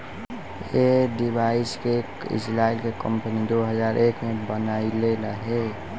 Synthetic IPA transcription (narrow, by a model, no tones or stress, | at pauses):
eɖɪbaːɪskekɪ̰d͡ʒlaːɪlkekə̃mpənid̪oɦəzaːɾʔeːkmẽbənaːileləɦe